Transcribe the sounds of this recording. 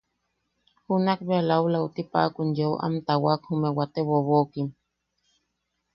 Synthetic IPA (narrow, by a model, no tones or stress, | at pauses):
hunakbealawlaut̪ipa̰ʔkunjooʔa̰mt̪awakhumewat̪eβoβokim